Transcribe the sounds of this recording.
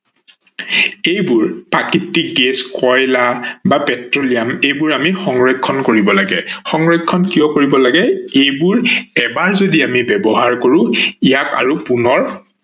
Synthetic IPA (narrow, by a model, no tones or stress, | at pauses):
ejbʊɹpakitːik̚ɡeskɔjlabapɛtɹolijamejbʊɹamixɔŋɹɔkʰːɔnkoɹibɔlaɡɛ̰xɔŋɹɔkʰːɔnkijɔkoɹibɔlaɡɛejbʊɹɛbaɹzodiamibɛbɔɦaɹkoɹʊ̃ijaka̰ɹupunɔɹ